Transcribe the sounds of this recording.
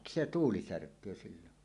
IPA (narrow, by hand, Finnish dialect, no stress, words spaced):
se tuːli særkˑøː silːon